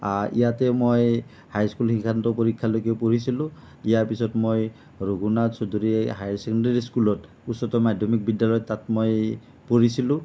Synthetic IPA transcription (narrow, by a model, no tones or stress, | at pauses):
aɹʔḭjatɛmoj | hajskulxiŋkʰantɔpoɹikʰːalojkɛpoɹisilʊ̃ | ijaɹpisɔtmoj | ɹuɡunasodʱuɹiɦajsɛkɔndaɹiskulɔt | usɔtɔmadʱjɔmik̚bidːalɔjɔtːatmoj | poɹisilʊ̃